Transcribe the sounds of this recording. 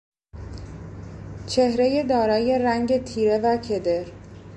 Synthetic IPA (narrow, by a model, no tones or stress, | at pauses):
t͡ʃʰe̞hɾe̞je̞d̪ɒːɾɒːje̞ɾæŋɟe̞t̪ʰiːɾe̞væcʰe̞d̪e̞ɾ